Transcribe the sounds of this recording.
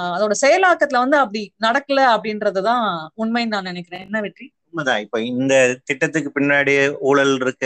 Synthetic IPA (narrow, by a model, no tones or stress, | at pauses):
ɐðoːɽɐsɛjɐlaːkːɐt̪ːɪlɐʋɐnd̪ɯɐpːɐɽinɐɽɐkːɐlɐɐpːɐɽɪnɾɐðɯt̪ãːʊnmɐjnnaːnɪnɛkːɪɾẽːɛnːɐʋɪʈriʊnmɐðãːɪpːoːɪnd̪ɐt̪ɪʈːɐt̪ːɯkːɯpɪɳːaːɽɪjɐuːɭɐlɪɾɯkːɯ